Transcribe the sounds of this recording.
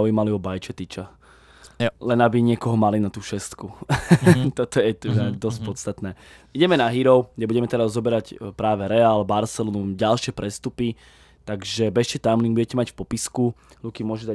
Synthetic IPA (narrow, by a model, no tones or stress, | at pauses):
ujimaliɔbajt͡ʃɛt̪it͡ʃa | lɛnabiɲɪɛkɔɦɔmalinat̪uːʃɛst̪ku | t̪ɔt̪ɔjɛt̪ud̪ad̪ɔsc̚pɔst̪at̪nɛː | iɟɛmɛnaɦiɾɔʊɡdɛbuɟɛmɛt̪ɛɾazːɔbɛɾaɟpɾaːʋɛɾɛalbaɾsɛlɔnumɟalʃɪɛpɾɛst̪upi | t̪aɡʒɛbɛʃɛt̪amliŋbuɟɛcɛmacfpɔpiskulukimʊɔʒud̪a